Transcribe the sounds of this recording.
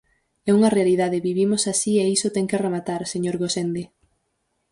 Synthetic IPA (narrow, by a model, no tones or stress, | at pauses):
ɛuŋɐrealiðaðeβiβimosasieisot̪ɛŋkearemat̪aɾseɲoɾɣosend̪e